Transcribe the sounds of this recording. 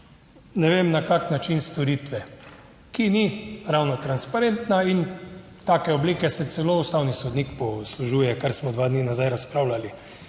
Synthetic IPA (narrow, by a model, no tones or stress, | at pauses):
nɛʋeːmnakaknat͡ʃinst̪ɔɾit̪ʋɛ | kiniɾawnɔt̪ɾanspaɾent̪nain | t̪aːkɛɔbliːkɛsɛt̪sɛloːust̪awnisɔd̪nikpɔsluʒuːjɛkaɾsmɔd̪ʋaːd̪niːnazajɾaspɾawlali